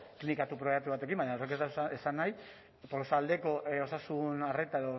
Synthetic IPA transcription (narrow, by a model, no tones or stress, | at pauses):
klinikat̪upɾo̞jek̚t̪uβat̪e̞kimbaɲaore̞ket̪aesanaj | polosald̪e̞ko̞ʔo̞sasunare̞t̪ae̞ðo